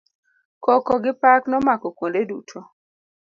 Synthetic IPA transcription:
kɔkɔɡɪpaknɔmakɔkwondedutʰo

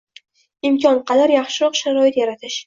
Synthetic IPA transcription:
ɪmkʲʰɒnqʰɑd̪aɾjaχʃɪɾɒqʃaɾɒɪt̪jaɾat̪ʰɪʃ

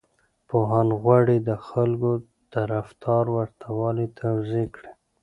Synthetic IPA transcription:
poɦɑnɣwaɽed̪əxalɡo | d̪̥aɾaft̪ʰɑɾwaɾt̪ʰawɑlet̪ʰawzekɽe

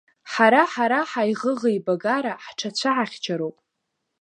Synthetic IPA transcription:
ħaɾaħaɾaħajʁəʁejbaɡaɾaħʈ͡ʂʰat͡ɕʷʰaʕaχʲt͡ʃʰaɾowpʼ

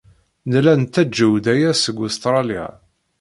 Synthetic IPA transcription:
nlænt̪ːæd͡ʒːəwd̪æjæsəɡʊst̪ɾˤɑlia̰

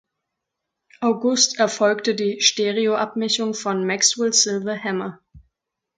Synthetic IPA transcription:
ʔaʊɡʊstɛɐfɔlktədiːʃteːʁioʔap̚mɛçʊŋfɔnmakswɪlsɪlvəhɛmɐ

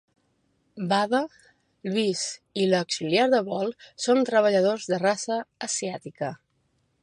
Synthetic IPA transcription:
baβə | lwisiləksiljaɾðəβɔlˠsont̪ɾəβəʎəð̞ozðərasəːsiat̪ikə

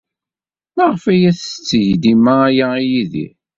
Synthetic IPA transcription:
maʁəfæjæθət͡sːəʝd̪imaæjaijiðḭ

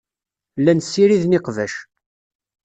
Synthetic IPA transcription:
lːænsːiɾiðnɪqvæʃ

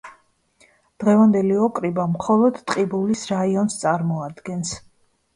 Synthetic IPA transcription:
d̪̥ʁɛvand̪ɛliɔkʼɾibamχɔlˠɔd̪t̪ʼqʼibulisɾaiɔnst̪sʼaɾmɔad̪ɡɛns

